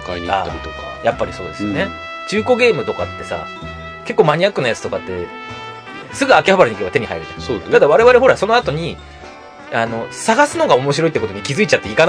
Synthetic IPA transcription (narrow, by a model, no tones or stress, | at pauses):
kaiɲa̰t̪okajapːaɾʲiso̞ːd̪e̞sɨɨjone | t͡ɕɨːko̞ɡʲe̞ːmɯ̟t̪o̞ka̰t̪ːe̞sa̰ | ke̞kːoːmaɲ̟ijakɯnajat͡sɨ̥t̪o̞kat̪ːe̞ | sɨɡɯ̟akʲehabaɾɯɲikebat̪e̞ɲiha̰ḭɾɯ̟t̪omsoːt̪ad̪aβaɾe̞βaɾe̞ɦo̞ɾaso̞noat̪o̞ɲ̟i | ano̞saɡasɨno̞ɡao̞mo̞ɕiɾo̞it̪ːeko̞t̪oɲ̟ikʲizɨit͡ɕat̪ːeikan